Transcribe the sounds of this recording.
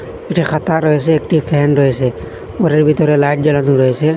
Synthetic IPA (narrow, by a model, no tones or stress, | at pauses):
eʈʰixʰat̪aɾɔɦeseːk̚ʈʰipʰɛɦnɾɔɦese | oɾeɾbʱit̪ɔɾelaɪʈ̚d͡ʒəlanuɾɔese